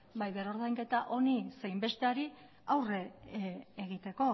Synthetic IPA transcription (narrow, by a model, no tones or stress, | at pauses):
bajβeɾo̞ɾð̞ajŋke̞t̪aʔo̞nise̞jmbe̞st̪e̞aɾi | awre̞ː | ɣit̪e̞ko̞